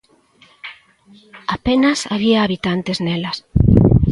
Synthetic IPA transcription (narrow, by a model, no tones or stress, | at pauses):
apenɐsaβiaːβit̪ant̪eznelɐs